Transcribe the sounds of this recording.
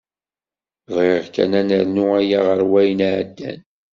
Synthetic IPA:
ðʁeʁkæ̰nænəɾnuæjaʁəɾwæjnʕ̰d̪ːæ̰n

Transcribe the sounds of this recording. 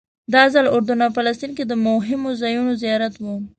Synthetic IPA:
d̪ɑzalʊɾd̪ʊnɑfalast̪inked̪əmʊɦɪmozajunozijɑɾat̪wu

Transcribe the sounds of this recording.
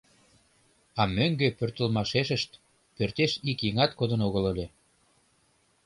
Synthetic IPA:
ɑmøŋɡepørt̪ə̆lmɑʃeʃəʃt̪ | pørt̪eʃikjiŋɑt̪kod̪ənoɣələlʲe

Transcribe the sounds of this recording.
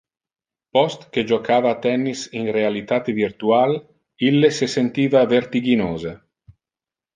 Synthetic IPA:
pɔst̪ked͡ʒokaːvat̪ɛnːisinrealit̪aːt̪evirt̪ual | ilːesesent̪iːvavert̪iɡinoːze

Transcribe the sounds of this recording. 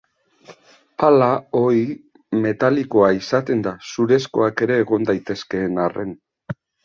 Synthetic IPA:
palao̞i | me̞t̪aliko̞aisat̪e̞nd̪asuɾe̞sko̞̰ake̞ɾe̞ːɣ̞o̞nd̪ajt̪e̞ske̞ːnare̞̰n

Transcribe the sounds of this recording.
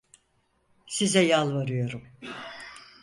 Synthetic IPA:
sizɛjalˠvaɾɯjo̞ɾum

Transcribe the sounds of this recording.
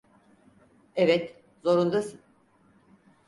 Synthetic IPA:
evɛt̪ | zo̞ɾund̪asɯn

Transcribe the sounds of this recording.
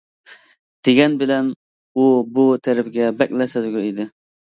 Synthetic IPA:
d̪̥eɡʲɛnbɪlɛn | ubut̪ʰɛɾɪpɡʲɛbɛk̚ʲlɛsɛzɡʲyɾid̪ɪ

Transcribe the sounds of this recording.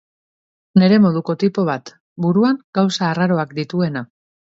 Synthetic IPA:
ne̞ɾe̞mo̞ð̞uko̞t̪ipo̞β̞at̪ | buɾuaŋɡawsaːraɾo̞akd̪it̪ue̞na

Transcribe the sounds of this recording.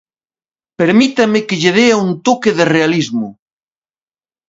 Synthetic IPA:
peɾmit̪amɪkeʎeðeaunt̪okeðerealizmʊ

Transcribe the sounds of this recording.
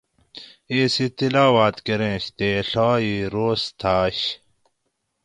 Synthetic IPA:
isit̪ilaːwaːt̪keɾẽːɕt̪eːɬaːiɾoːst̪ʰaːɕ

